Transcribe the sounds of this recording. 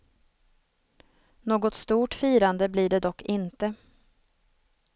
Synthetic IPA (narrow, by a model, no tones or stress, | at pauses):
noːɡɔt̪st̪uːʈfiːɾand̪əblɪɖɛd̪ɔkːɪnt̪ə